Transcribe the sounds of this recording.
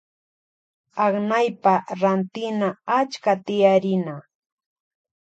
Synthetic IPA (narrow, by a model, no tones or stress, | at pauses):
ɑχnajpaɾant̪ɪnaat͡ʃkat̪ɪjaɾɪna